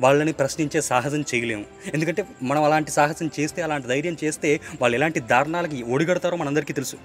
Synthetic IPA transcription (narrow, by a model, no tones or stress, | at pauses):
ʋaːɭːɐnipɾɐʃniɲt͡ʃe̞ːsaːɦɐsɐmt͡ʃɛjɐle̞ːmu | end̪ukɐɳʈe̞ːmɐnɐmɐlaːɳʈisaːɦɐsɐmt͡ʃe̞ːst̪e̞ːɐlaːɳʈid̪ɐjɾjɐmt͡ʃe̞ːst̪e̞ːʋaːɭːuɛlaːɳʈid̪ʱaːɾɐɳaːlɐk̬ioːɽiɡɐɽut̪aːɾoːmɐnɐmɐnd̪ɐɾikiːt̪e̞lusu̥